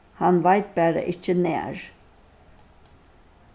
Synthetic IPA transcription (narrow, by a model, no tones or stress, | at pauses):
hanvajt̪̚bæɾa̰ʔit͡ʃʰinːɛjæ̰ɾ